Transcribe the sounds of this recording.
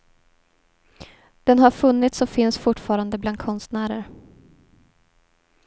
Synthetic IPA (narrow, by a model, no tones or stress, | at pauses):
d̪̥ɛnhaɾfɵnːɪt̪sɔfɪnsfʊʈːfɑːɾand̪əbland̪̚kʰɔnst̪næːɾə̰ɾ